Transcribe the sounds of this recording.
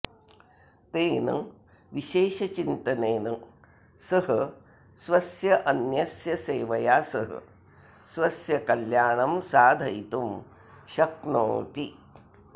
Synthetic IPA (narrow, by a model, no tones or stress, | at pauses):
t̪eːnɨ̰ | ʋiʃeːʃɐt͡ʃint̪ɐneːnɨ | sɐɦɐ | sʋɐsjɐʔɐnjɐsjɐseːʋɐjaːsɐɦɐ̰ | sʋɐsjɐkɐljaːɳɐmsaːd̪ʱɐjt̪um | ʃɐkno̰ːt̪i